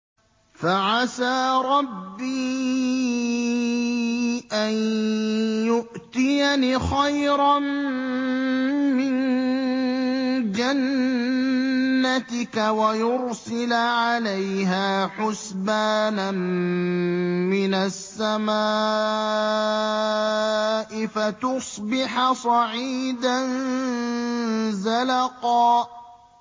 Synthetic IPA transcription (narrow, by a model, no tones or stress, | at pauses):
faʕasaːɾˤɑbːiː | ʔan | jʊʔt̪ɪjanixajɾɑn | mɪn | d͡ʒan | at̪ɪkawajʊɾsɪlʕalajɦaːħʊsbaːna | mɪnasːamaː | ʔɪfat̪ʊsˤbɪħasˤɑʕiːd̪an | zalɑqɑː